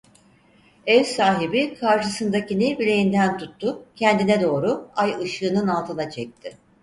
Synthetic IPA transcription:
ɛvsaːɦibikʰaɾʃɯsɯnd̪acinibilʲe̞jind̪ænt̪ʰut̪ːʊcʰɛnd̪inɛd̪o̞ːɾʊajɯʃɯːnɯnalˠt̪ʰɯnat͡ʃʰɛc̚t̪ʰɪ

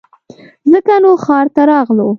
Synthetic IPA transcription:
zəkanoxɑɾt̪aɾɑɣlo

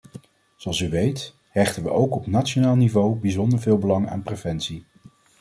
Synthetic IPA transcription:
z̥oɑlˠsyʋejt | ɦɛχtənʋəʔowkɔpnatt͡ʃonaːlˠnivowbizɔndəɹvɪːlˠbəlɑŋa̰ːnprevɛnsi

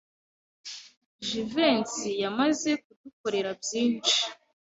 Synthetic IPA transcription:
ʒive̞nsijamaze̞k̚uduko̞ɾe̞ɾabjiːnt͡ʃi̥

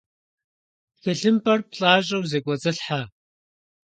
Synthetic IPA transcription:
xɐɬɨmpʰɐrpɬʼaːɕʼɐwzeːkʷʼɔt͡sʼɨɬħa

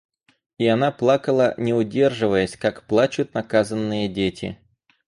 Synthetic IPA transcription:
iɐnaplˠakəlˠənʲɪʊdʲe̞rʐɨvəjəsʲkakplˠat͡ɕʊt̪nɐkazənːɨjədʲetʲɪ̰

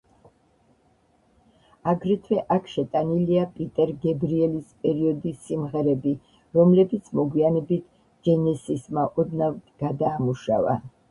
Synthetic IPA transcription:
aɡɾɛt̪ʰwɛʔakʰʃɛt̪ʼaniliapʼit̪ʼɛɾɡɛbɾiɛlispʼɛɾiɔd̪isːimʁɛɾɛbi | ɾɔmlɛbit̪sʰmɔɡwianɛbit̪ʰ | d͡ʒ̥ɛnɛsismaʔɔd̪navɡ̥ad̪aːmuʃa̰va̰

